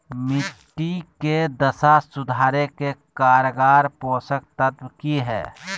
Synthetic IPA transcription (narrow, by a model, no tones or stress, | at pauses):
mɪʈːiked̪əsasʊd̪ʱaːɾekekaːɾəɡaːɾpɔ̃ːsək̚t̪ət̪wkiɦɛ̰ː